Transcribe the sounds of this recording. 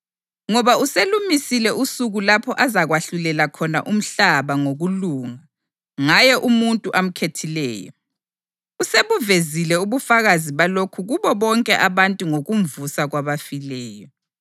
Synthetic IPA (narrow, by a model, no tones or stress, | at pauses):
ŋɔβauselumisilɛʔusuɣulapʰɔʔazaɣwaɬulɛlakʰɔna̰ʔum̩ɬaβaŋoɣuluːŋa | ŋajɛʔumuntʼuʔam̩kʰetʰilɛ̰ːjɔ̰ | useβuvezilɛuβufaɣaziβalokʰuɣuβɔβɔŋkʼɛʔaβantʼuŋoɣuɱvusaɣwaβafilɛːjɔ